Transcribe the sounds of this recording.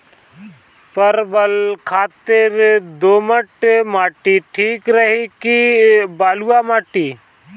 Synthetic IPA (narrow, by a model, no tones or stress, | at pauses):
pəɾbəlkʰaːt̪ɪɾd̪oːməʈmaːʈiʈʰiːkɾəɦikibaːluamaːʈiː